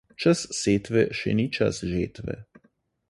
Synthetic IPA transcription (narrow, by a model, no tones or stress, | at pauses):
t͡ʃasseːt̪ʋɛ̰ʃɛ̰nit͡ʃa̰sʒeːt̪ʋɛ̰